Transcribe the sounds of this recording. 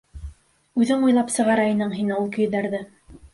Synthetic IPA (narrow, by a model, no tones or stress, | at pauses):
ʉðɘŋujlˠɑpsɤ̆ʁɑɾɑjɤ̆nɤɴɦinɘulˠkɵ̆jðæɾðɘ